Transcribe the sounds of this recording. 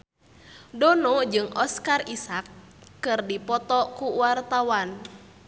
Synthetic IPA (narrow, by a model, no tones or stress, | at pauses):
dɔnɔd͡ʒɨŋʔɔskarʔisakːɨrdipɔt̪ɔkuwart̪awan